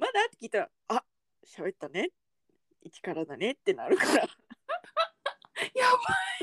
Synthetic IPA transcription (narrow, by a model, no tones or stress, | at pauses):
mad̪at̪ːekʲiːt̪aɾa̰ | a | ɕabe̞t̪ːane̞ | it͡ɕi̥kaɾad̪ane̞t̪ːe̞na̰ɾɯ̟kaɾa | jaba